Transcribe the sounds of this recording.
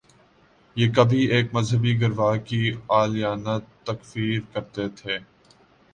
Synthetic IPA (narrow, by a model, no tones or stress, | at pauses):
jeːkɐbʱieːk̚mɐzɦəbiɡɐɾʋaːkiaːlijaːnat̪ːɐkfiːɾkɐɾt̪et̪ʰeː